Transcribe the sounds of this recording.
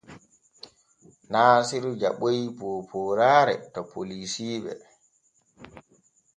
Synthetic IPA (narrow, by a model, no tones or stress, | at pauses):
naːsiɾud͡ʒaɓojipoːpʰoɾaːɾɛ̰tɔpʰolisiːɓɛ̰